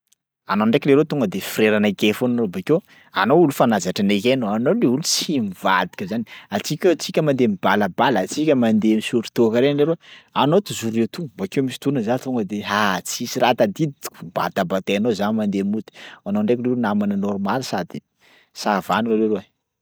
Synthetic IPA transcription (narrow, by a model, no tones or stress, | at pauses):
anoɳɖ͡ʐekʲileɾet̪uŋɡəd̪efiɾeɾanəkefonanobake | a̰noulufanazaʈ͡ʂanekenoanoleulut͡simivad̪i̥kʲəzaniat͡sikʲt͡sikʲəmand̪emibaləbalat͡sikʲəmand̪emisuɾit̪okəɾeleɾoanot̪uzuɾet̪ubakewmisi̥t̪unəzant̪uŋɡəd̪eɦat͡sisiɾat̪ad̪id̪it̪i̥kuba̰t̪abat̪eanozanimand̪emut̪i̥anoɳɖ͡ʐekleɾunamanənɔɾmalisad̪i | savanualeɾoe